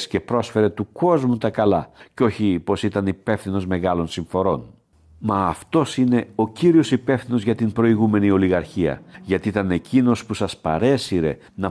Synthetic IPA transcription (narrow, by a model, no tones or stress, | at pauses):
sce̞pɾo̞sfe̞ɾe̞t̪uko̞zmut̪ɐkɐlɐ̰ceo̞çipo̞sit̪ɐnipe̞fθino̞zme̞ɣɐlo̞nsiɱfo̞ɾo̞n | mɐːft̪o̞sine̞o̞ciɾio̞sipe̞fθino̞zʝɐt̪imbɾo̞iɣume̞nio̞liɣɐɾçiɐ̰ʝɐt̪iit̪ɐne̞cino̞spusɐspɐ̰ɾe̞siɾe̞ | nɐ